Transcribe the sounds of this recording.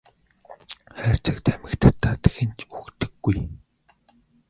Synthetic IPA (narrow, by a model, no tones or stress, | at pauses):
χæːr̥ʲt͡ɕə̆kt̪ʰæmɘ̆kt̪ɘ̥̆t̪ʰːaːt̪e̥xɘ̆nt͡ɕukt̪ɘ̆ɡːuj